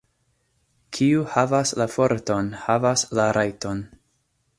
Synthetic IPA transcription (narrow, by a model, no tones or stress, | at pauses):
kʰiuhavaslafo̞ɾto̞nhavaslaɾʔajto̞n